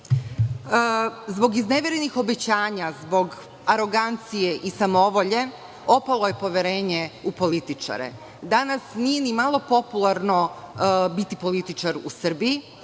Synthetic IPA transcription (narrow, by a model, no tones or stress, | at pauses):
zbo̞ɡizneʋeɾenixo̞be̞t͡ɕaːɲazbo̞ɡ | aɾo̞ɡant̪sije̞ʔisamo̞ʋo̞ʎe̞ | o̞palˠo̞je̞po̞ʋjeɾe̞ːɲe̞upo̞lit̪it͡ʃa̰ɾḛ | d̪anasnije̞nimalˠo̞po̞pulˠaɾno̞ | bit̪ipo̞lit̪it͡ʃaɾusr̩bii